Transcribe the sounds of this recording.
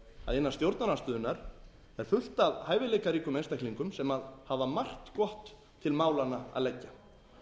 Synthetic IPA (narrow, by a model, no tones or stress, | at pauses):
a̰ðɪnːast̪jowɾt̪nanast̪ʏːðʏnaɾ̥ | ɛɾ̥fʏl̥t̪aðhaːjvɪleːjkaɾiːkʏmejnst̪ahkliŋkʏmsɛmaðhavamar̥t̪kɔht̪ʰː | ɪlmaːwlanaa̰ðlɛcːa